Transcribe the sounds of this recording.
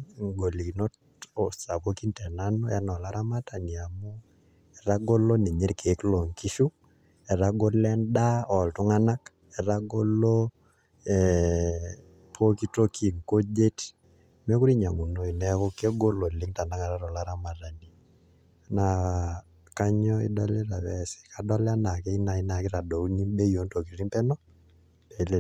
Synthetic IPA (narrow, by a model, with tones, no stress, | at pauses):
ŋɡo˨li˨ki˨nɔ˦t | ɔ˨sa˨ko˦ki˦ntɛ˨na˦nɔ˦ja˦nɔ˨la˦ɾa˦ma˦ta˨ni˨a˨mu˦ | ɛ˨ɾa˦ɡo˦lo˦ne˨ɲe˦ɾkʰe˨˦klo˨ŋki˦ʃu˦ | ɛ˨ɾa˦ɡo˦lɛ˦nda˦ɔ˨ltu˦ŋa˦na˦k | ɛ˨ɾa˦ɡo˦lo˦ | ɛ | pʰo˦ki˦to˦kʰi˨ŋko˦d͡ʒe˦t | mɛ˦ku˦ɾi˦ɲa˨ŋu˨no˦i˨nɛ˦ko˦ke˦ɡo˦lo˨li˦ŋta˨na˦ŋa˨ɾa˦ɾɔ˨la˦ɾa˦ma˨ra˨ni˨ | na˨ | ka˦ɲɔ˦ḭ˦dɔ˦le˦ɾa˨βɛ˦sɛ̥˨ka˨dɔ˦lɛ˦a˦na˨ke˦i˦na˨i˦na˨ki˦ɾa˨do˨u˦ni˦be˦jo˦nto˨ki˨ɾi˦mpɛ˦nɔ˦ | pe˨le˦